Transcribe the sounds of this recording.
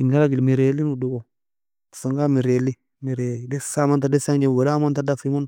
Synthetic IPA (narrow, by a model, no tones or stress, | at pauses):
iŋɡaɾaɡilmiɾelinuduɡo | saŋɡamiɾeli | miɾelidesamantadesaŋd͡ʒewelamantadafimun